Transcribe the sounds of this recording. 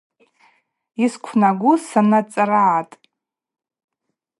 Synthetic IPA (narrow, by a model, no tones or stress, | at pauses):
iskʷʰnaɡʷʊsanat͡sʼaraːtʼ